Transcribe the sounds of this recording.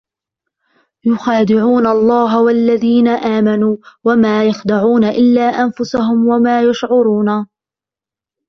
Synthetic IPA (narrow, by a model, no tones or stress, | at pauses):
jʊxaːd̪ɪʕuːnalˤːɑːɦawalːaðiːnaʔaːmanuːwamaːjaxd̪aʕuːnaʔɪlːaːʔanfʊsaɦʊmwamaːjaʃʕʊɾuːna